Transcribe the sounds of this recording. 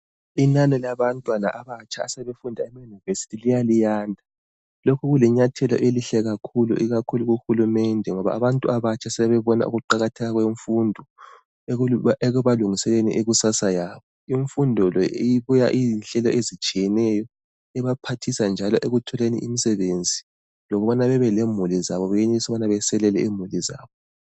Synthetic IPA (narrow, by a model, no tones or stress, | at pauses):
inanɔlaβantʼwana̰ʔaβat͡ʃʰʼaːsɛβefundʱaɛmajunivesi̥tʰilijalijaːndʱa | lokʰuɣulɛɲatʰɛlɔ̰ʔeliɬɛɣakʰulṵʔiɣakʰuluɣuxulumɛndʱɛŋɔβa̰aβantʼuaβat͡ʃʰʼasɛβɛβɔna̰ʔṵɣuǃaɣatʰɛɣaɣweɱfundʱɔ | ɛɣuβaluŋisɛleniʔeɣusasajaːβɔ | iɱfundʱɔlɔejiβuja̰ʔinɬɛlɔʔezit͡ʃʼijɛnɛjɔ | ɛβapʰatʰisand͡ʒʱalɔʔeɣutʰɔlenḭʔimisɛβend͡zʱi | lɔɣɔβanaβɛβɛlemuliza̰βɔβɛjeneisɔβanaβɛsɛlɛlɛimuliza̰ːβɔ